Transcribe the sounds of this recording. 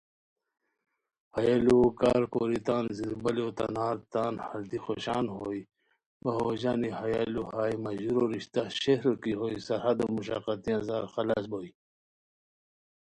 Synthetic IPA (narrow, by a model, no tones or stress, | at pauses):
hɐjalukaːɾkoːɾit̪aːnziɾbɐliot̪ɐ̰naːɾt̪aːnhɐɾd̪ixoɕaːnɦoːi | bɐɦoːd͡ʑaːnihɐjaluhaːjmɐʑuɾoɾiɕt̪aɕehɾokiɦoːisɐɾhɐd̪omuɕa̰qat̪ijãzaːɾxɐla̰ːsboːi